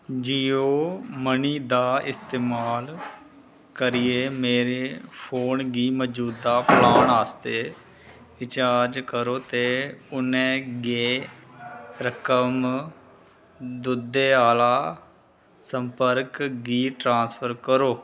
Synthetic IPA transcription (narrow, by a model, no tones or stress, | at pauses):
d͡ʒijoːməniːd̪aːɪ̰st̪eːmaːl | kəɾɪjeːmeːɾeːpʰoːnɡiːməd͡ʒuːd̪ːaːpəlaːɳaːst̪eː | ɪt͡ʃaːɾd͡ʒkəɾoːt̪eːʊnɛ̃ːɡeː | ɾəkəm | d̪ʊd̪eːaːlaː | səmpəɾkɡiːʈɾãːnspʰəɾkəɾoː